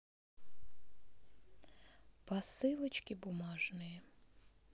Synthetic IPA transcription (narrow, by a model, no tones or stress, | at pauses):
pɐsɪlˠɪt͡ʃkʲɪbʊmɑʒnɪjɛ